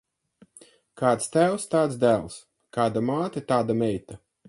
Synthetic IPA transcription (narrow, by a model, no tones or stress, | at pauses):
kaːt̪st̪æwst̪aːt̪sd̪æːlˠs | kaːd̪amaːt̪ɨt̪aːd̪amɛjt̪a